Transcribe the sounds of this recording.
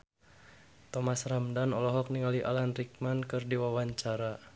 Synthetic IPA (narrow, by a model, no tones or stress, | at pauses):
t̪ɔmasramdanɔlɔɦɔk̚niŋaliʔalanrik̚mankɨrdiwawaɲt͡ʃaɾa